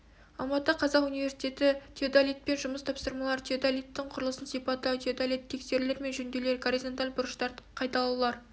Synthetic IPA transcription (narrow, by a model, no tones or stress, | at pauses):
ɑlˠmɑt̪əqʰɑzɑqunijvʲe̞ɾsi̥jt̪e̞t̪ɪt̪ʰʲeod̪alʲijt̪̚pe̞nʒʊməst̪ʰɑpsəɾmɑlˠɑɾt̪ʰeod̪alʲijt̪ːɪɴqʰʊɾəlˠəsənsijpɑt̪ːət̪ʰeod̪alʲijt̪ʰːe̞kse̞ɾleɾme̞nʒɵnd̪e̞le̞ɾɡoɾizo̞nt̪alʲbʊɾəʃt̪ɑɾqʰɑjt̪ɑlˠulˠɑɾ